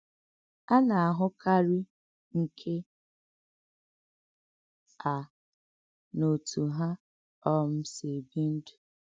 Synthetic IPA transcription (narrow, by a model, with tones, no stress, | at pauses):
a˦na˨a˨ɦʊ˦kʰa˦ɾi˦ | ŋ̩˨kʰe˦ | a˨ | no˨tu˨ɦa˦ | ɔ˦m̩˦se˨bi˦n̩˦du̥˨